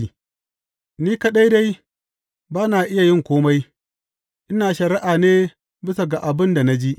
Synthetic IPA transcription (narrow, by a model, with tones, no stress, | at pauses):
niː˦ka˦ɗa˦jda˦j | baː˦naː˨ʔɪ˦ja˨jɪ˦ŋkʷoː˦ma˦j | ʔɪ˦naː˨ʃɐ˨ɾɪ˦ʔaː˨neː˦ | bɪ˦sa˨ɡa˨ʔa˨bɪ˦nda˨na˦d͡ʒi˦ʔ